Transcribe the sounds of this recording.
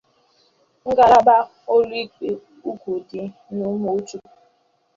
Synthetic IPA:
ŋ̩˦ɡa˦la˦ba˦ | o˦ɾi˦k͡pi˨ | u˦kʷu˨di˦ | nu˦mo˦t͡ʃu˦

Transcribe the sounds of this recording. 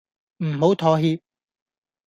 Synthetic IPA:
m̩˨˩ho˨˥wt̪ʰɔː˨˩ɦiː˧p̚

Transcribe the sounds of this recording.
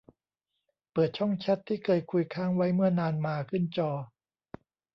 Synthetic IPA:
pɤː˨˩t̪̚t͡ɕʰɔ˥˩ŋt͡ɕʰɛ˦˥t̪ʰːiː˥˩kʰɤː˧jkʰu˧jkʰaː˥˩ŋwa˦˥jmɯ˥˩ɐnaː˧nmaː˧kʰɯ˥˩nt͡ɕɔː˧

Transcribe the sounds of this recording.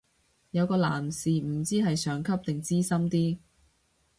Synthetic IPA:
jɐ˨˧wkɔː˧la̰ː˨˩msiː˨m̩ː˨˩t͡siː˥hɐ˨jsœː˨˧ŋkʰɐ˥p̚t̪ɪ˨ŋt͡siː˥sɐ˥mt̪iː˥

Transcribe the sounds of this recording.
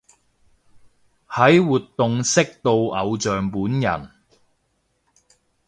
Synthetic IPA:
hɐ˨˥jwuː˨t̪ːʊ˨ŋsɪ˥k̚t̪o˧wʔɐ˨˧wt͡ʃœː˨ŋpuː˨˥njɐ̰˨˩n

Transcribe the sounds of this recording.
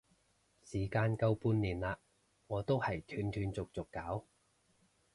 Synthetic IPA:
siː˨˩kaː˧nkɐ˥wpuː˥nliː˨˩nlaː˧ | ŋɔː˨˧t̪o˥whɐ˨jt̪ʰyː˨˧nt̪ʰyː˨˧nt͡sʊ˨k̚t͡sʊ˨kːaː˨˥w

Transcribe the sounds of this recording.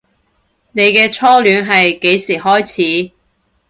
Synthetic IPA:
ne˨˧jkɛː˧t͡sʰɔː˥lyː˨˥nɦɐ˨jke˨˥jsiː˨˩hɔː˥jt͡sʰiː˨˥

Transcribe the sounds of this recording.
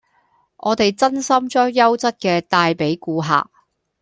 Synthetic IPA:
ʔɔː˨˧t̪e˨jt͡sɐ˥nsɐ˥mt͡ʃɔː˥jːɐ˥wt͡sɐ˥t̚kɛː˧t̪aː˧jpe˨˥jkuː˨˧ɦa̰ː˨k̚

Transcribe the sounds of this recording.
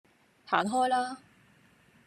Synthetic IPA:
haː˨˥nɦɔː˥jlaː˥

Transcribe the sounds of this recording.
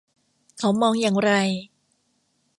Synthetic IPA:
kʰa˨˦wmɔː˧ŋjaː˨˩ŋɾa˧j

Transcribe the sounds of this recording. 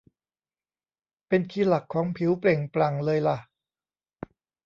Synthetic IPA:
pe˧nkʰiː˧la˨˩kʰːɔː˩˦ŋpʰi˩˦wple˨˩ŋpla˨˩ŋlɤː˧jla˨˩

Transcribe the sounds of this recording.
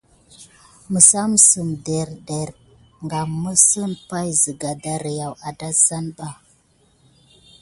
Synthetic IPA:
mə˨sa˦m˨sə˨mde˨ɾde˨ɾ | ŋɡa˨mːə˦sə˦npa˦jzə˨ɡa˨da˦ɾi˨ja˨wa˨da˦za˦nba˨

